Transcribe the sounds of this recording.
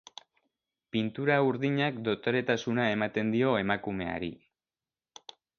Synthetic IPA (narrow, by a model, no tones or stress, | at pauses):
pint̪uɾauɾðiɲakd̪o̞t̪o̞ɾe̞t̪asunae̞mat̪e̞nd̪io̞e̞makume̞a̰ɾi